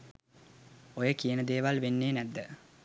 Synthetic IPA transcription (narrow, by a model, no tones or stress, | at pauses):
ojəkijənəd̪eːʋalʋenːeːnæd̪ːə